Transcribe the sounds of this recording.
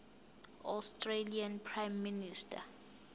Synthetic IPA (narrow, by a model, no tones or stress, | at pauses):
a̰stʼrelianpʰrajmːinistʰʼa̰